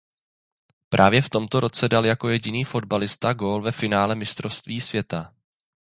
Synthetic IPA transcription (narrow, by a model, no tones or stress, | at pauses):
pɾʔaːvjɛft̪o̞mt̪o̞ɾo̞t͡sɛdaljako̞jɛɟɪniːfo̞dbalɪst̪aɡo̞lvɛfɪnaːlɛmɪst̪ɾofst̪viːsvjɛt̪a